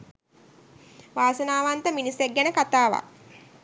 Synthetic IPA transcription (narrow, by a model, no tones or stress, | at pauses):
ʋaːsənaːʋant̪əminiseɡːænəkat̪aːʋa̰